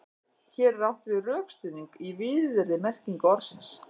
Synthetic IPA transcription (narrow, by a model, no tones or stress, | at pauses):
çɛːɾːawht̪vɪðrœːkst̪ʏːniŋkivɪːðʏɾɪmɛr̥ciŋkɔɾsɪns